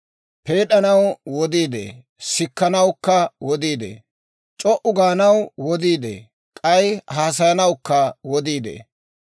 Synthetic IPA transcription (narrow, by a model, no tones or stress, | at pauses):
pe̞ːɗɐnɐwwɔd̪iːd̪ḛː | sɪkːɐnɐwkːɐwɔd̪iːd̪ḛː | t͡ʃʼɔʔʊɡaːnɐwwɔd̪iːd̪ḛː | kʼɐjhaːs̬ɐjɐnɐwkːɐwɔd̪iːd̪ḛː